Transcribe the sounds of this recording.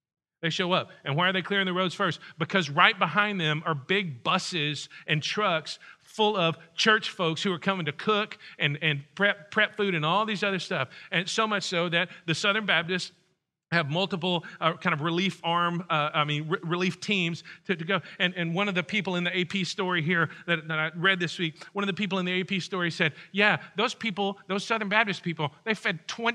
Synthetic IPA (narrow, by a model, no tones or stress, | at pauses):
ðeɪʃoʊʌp̚ɨ̃nwaɪə˞ðeɪkʰl̥ɪɹɪ̃ŋðɨɹoʊdz̥fɜ˞st̚b̥ɨkʰʌzɹaɪt̚b̥əɦãɪ̃nðɨ̃mə˞bɪɡ̚bʌsɪzʔɨ̃ntʰɹ̥ʌks | fʊlˠʌv̥t͡ʃʰɜ˞t͡ʃfoʊkshʉə˞kʰʌmɪ̃ŋtʰɨkʰʊkɨ̃nɨ̃npʰɹ̥ɛppʰɹ̥ɛpfʉɾɨ̃nɔlˠðizʌðə˞stʌfɨ̃nsoʊmʌt͡ʃsoʊðɨt̪̚ðɨsʌðə̃˞nbæp̚tɨsts | hɨvmʌlˠtəp̬l̩ˠʌkʰãɪ̃nʌvɹɨlifɑɹmʌaɪmĩnɹɪɹɨliftʰĩmz̥tʰɨɾɨɡoʊɨ̃nɨ̃nwʌ̃nʌvðɨpʰipl̩ˠɨ̃nðieɪpʰistɔɹiɦiɹðɨɾðɨɾaɪɹɛd̪̚ðɪswik̚wʌ̃ñʌvðɨpipl̩ˠə̃nðieɪpʰistɔɹisɛd̚jæðoʊz̥pʰipl̩ˠðoʊz̥sʌðə˞nbæb̚tɨspʰipl̩ˠðeɪfɛd̚tʰw̥ɛ̃